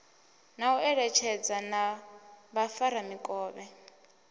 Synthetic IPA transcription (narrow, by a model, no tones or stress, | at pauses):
nauɛɺɛt͡ʃʰɛd͡zana | βafaɾamikʼɔːβɛ